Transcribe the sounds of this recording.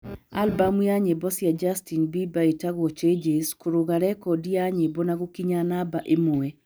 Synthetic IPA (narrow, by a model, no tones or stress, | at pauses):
a̰lbamwjaɲebɔsjad͡ʒastinbibaetaɡɔt͡ʃed͡ʒeskoɾoɡaɾɛkɔdiaɲebɔnaɡokiɲanabaʔemowɛ